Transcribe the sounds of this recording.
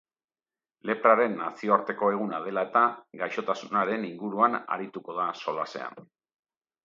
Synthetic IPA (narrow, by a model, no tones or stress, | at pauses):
le̞pɾaɾe̞nːasio̞aɾt̪e̞ko̞e̞ɣ̞unað̞e̞lae̞t̪aɡajʃo̞t̪asunaɾe̞niŋɡuɾuana̰ɾit̪uko̞ð̞aso̞lase̞̰a̰n